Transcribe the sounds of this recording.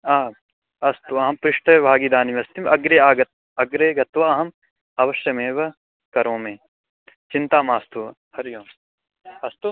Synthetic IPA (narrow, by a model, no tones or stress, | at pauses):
aː | ɐst̪uɐɦɐmpɾɪʂʈɐjbʱaːɡid̪aːnimeɐst̪imɐɡɾeaːɡɐt̪̚ | ɐɡɾeːɡɐt̪ʋɐɐɦɐm | ɐʋɐʃjɐmẽːʋɐ | kɐɾõːmẽː | t͡ʃɪ̃nt̪aːmaːst̪u | hɐɾjõː | ɐst̪u